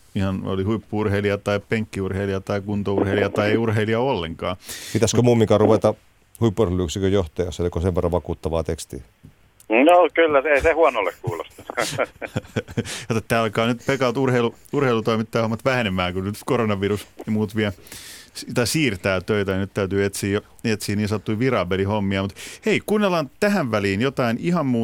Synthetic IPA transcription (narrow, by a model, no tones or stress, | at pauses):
ihɑno̰lihuipːuurheiliɑt̪ɑipeŋkːiurheiliɑt̪ɑikunt̪ourheiliɑt̪ɑieiurɦeiliɑolːeŋkɑːpit̪æskømuːmːiŋkɑruʋet̪ɑ | huipːuurheˑlyˑksikøjoht̪ɑjɑsːelikoseʋʋerːɑʋʋɑkuːt̪ːɑʋɑ̰ːt̪ekst̪ḭː | joːkylːæseisehuɑnolːekkuːlost̪ɑ̥ | jot̪ːet̪ːæːɑlkɑːnyt̪pekɑlt̪urheilu | urheilut̪oimit̪ːɑːhomːɑt̪ʋæhenemæːkunnyt̪koɾonɑʋirusemuːt̪ʋiæst̪ɑisiːrt̪æːt̪øit̪ænyt̪t̪æyt̪yːet̪siːjjo | et̪siːnniːnsɑt̪ːuiʋirɑːbelihomːiɑmut̪heikunːelːɑːnt̪æɦæʋʋæliːnjot̪ɑinihɑmmuː